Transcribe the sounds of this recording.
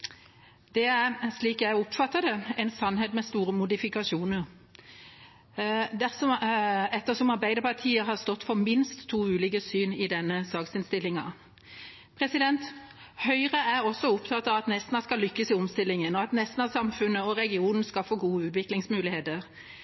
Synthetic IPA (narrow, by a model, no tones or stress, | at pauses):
d̪̥ɛæɾʂliːkjæɪɔpfɑt̪ːəd̪ɛɛɪnsɑnːheːt̪mɛst̪uːɾəmʊd̪ɪfɪkɑʃuːnəɾ | d̪æɾsɔɛt̪ːəsɔmɑɾbæɪd̪əpʰɑʁt̪ʰiːəɦɑst̪ɔt̪ːfɔɾmɪnst̪ʰːuːʉːlɪkəsyːnɪd̪ɛnːəsɑːksɪnst̪ɪlːɪŋɑ̰ | pʰɾɛsɪd̪ɛnt̪ | hœʏɾəæɾɔsːɔʊpt̪ʰɑt̪ːɑʋɑt̪nɛst̪n̩ɑskɑlʏkːəsɪɔmst̪ɪlːɪŋənɔɑt̪nɛst̪n̩ɑʋsɑmfʉnːəɔɾɛɡɪuːnn̩skɑlfoːɡuːəʉːt̪ʋɪklɪŋsmʉːlɪheːt̪əɾ